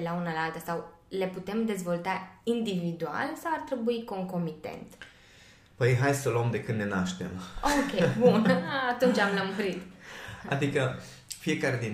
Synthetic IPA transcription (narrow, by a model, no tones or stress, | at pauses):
elaunalaalt̪əsaw | le̞put̪e̞md̪e̞zvo̞lt̪aind̪ivid̪ua̰lsawart̪ɾe̞buiko̞ŋko̞mit̪ḛnt̪ | pəjɦajsəluəmd̪e̞kɨnne̞naʃt̪e̞̰mokʲebunat̪unt͡ʃamlamoɾit̪a̰d̪ikə | fie̞kaɾe̞d̪in